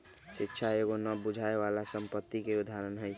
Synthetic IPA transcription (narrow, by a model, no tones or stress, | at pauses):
sikːt͡ʃʰaeɣonəbud͡ʒʱaeβalasəmpət̪ːikeud̪ʱaɾənɦəjtʰ